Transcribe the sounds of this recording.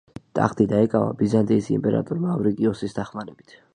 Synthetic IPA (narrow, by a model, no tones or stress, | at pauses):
t̪ʼa̰χt̪ʼid̪aɛkʼava̰bizant̪ʼiisḭmpʼɛɾa̰t̪ʼuɾmaːvɾikʼiɔsisd̪aχmaɾɛb̥it̪ʰ